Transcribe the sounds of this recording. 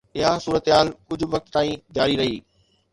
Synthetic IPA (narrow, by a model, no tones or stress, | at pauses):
ɪɦasuːɾət̪ɦaːlkʊd͡ʑʱʊ̆ʋɐk̚t̪t̪aːĩd͡ʑaːɾiɾɐɦiː